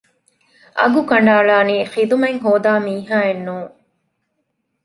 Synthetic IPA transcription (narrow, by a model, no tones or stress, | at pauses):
ʔɐ̰ɡukɐɳɖaːɭaːniːχid̪umeŋɦoːd̪aːmiːɦaːenːuːŋ